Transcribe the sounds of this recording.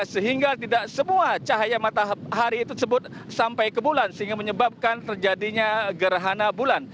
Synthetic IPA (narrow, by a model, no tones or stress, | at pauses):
səɦiŋɡat̪idaʔsəmuat͡ʃaɦajamat̪aɦaɾiːt̪ut̪əsəbʊt̪̚ | sampajkəbulansəɦiŋɡaməɲəbap̚kant̪ərd͡ʒadiɲaɡəɾaɦanabulan